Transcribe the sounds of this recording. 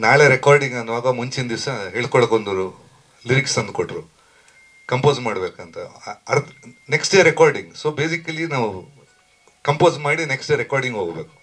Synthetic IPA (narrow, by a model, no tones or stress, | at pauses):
naːɭeɾekaːɾɖiŋɡɐnːuʋaːɡɐmuɲt͡ʃind̪isɐɦeːɭkɔɭɐkond̪ɐɾu | liɾiksɐnd̪̚koʈːɾu | kɐmpoːzmaːɽbeːkɐnt̪ɐɐneksʈeːɾekaːɾɖiŋɡsoːbeːsikɐlinaːʋu | kɐmpoːzmaːɽineksʈejɐɾekaːɾɖiŋɡɦoːɡbeːku̥